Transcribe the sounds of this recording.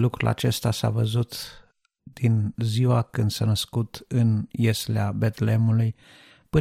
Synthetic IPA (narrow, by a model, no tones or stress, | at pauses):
lukɾula̰t͡ʃe̞st̪asa̰vəzut̪ | d̪̥inziwakɨnd̪sanəskut̪ɨnjesleabet̪le̞muluj | pɨ